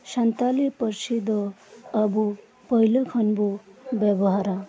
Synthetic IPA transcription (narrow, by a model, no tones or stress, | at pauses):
sant̪alipʌrsid̪ɔːbu | pʌɦilokʰʌnbobjʌbɔɦaɾa